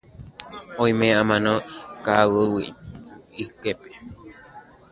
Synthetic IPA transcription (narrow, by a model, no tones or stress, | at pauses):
õĩmẽãmãnõkawɨwḭ | ikepe